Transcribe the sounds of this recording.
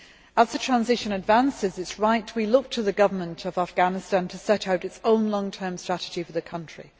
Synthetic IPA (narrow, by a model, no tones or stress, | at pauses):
əzðətʰɹ̥ãnzɪʃə̃nədvãnsɪzɪtsɹaɪtʰwilʊk̚tʰəðəɡʌvə˞mə̃ntʰəvafɡ̥anɪstãntʰəsɛtaʊtɨtsõʊ̃nlɒ̃ŋtʰɜːmstɹ̥atɪd͡ʒifəðəkʰʌ̃nt͡ʃɹ̥ḭ